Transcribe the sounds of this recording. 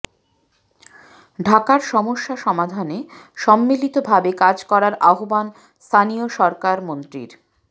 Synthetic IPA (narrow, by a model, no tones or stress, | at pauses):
ɖʱakaɾʃɔmoʃːaʃɔmad̪ʱaneʃɔmːilit̪obʱabekad͡ʑkɔɾaɾʔaɦoban | st̪ʰanioʃɔɾkaɾmont̪ɾḭɾ